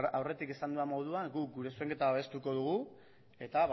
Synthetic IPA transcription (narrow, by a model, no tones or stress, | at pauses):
awre̞t̪ike̞sand̪uamo̞ðuaɡuk̚ɡuɾe̞sue̞ŋke̞t̪aβaβe̞st̪uko̞ðuɣ̞u | e̞t̪aβ